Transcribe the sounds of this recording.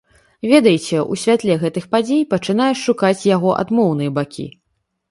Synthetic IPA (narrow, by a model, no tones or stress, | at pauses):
vʲɛd̪ɐjt͡sʲɛṵsʲvʲat̪lʲɛɣɛt̪ɨxpad͡zʲejpɐt͡ʂɨn̪ajɛʂʂukat͡sʲjaɣɔʔa̰d̪mɔwn̪ɨjɐbakʲʰḭ